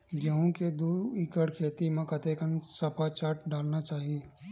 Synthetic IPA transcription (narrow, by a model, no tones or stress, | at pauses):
ɡjaːɦõked̪uːɾikəɽkʰeːt̪imẽkɐt̪ekənsɐpʰat͡ʃaːʈ̚ɖaːlnat͡ʃaːɦieː